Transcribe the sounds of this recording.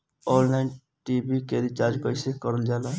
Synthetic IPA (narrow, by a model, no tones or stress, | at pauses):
ɔlnajn | ʈibikeɾit͡ʃaɾd͡ʒkɔjsekɔɾəld͡ʒala